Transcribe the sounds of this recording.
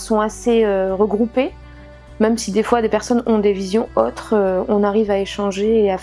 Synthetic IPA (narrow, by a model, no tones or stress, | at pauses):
sɔ̃aseøʁəɡʁupe | mɛmsid̪efwad̪epɛʁsɔnɔ̃d̪evizjɔ̃ot̪χøɔ̃naʁivaeʃɑ̃ʒeːaf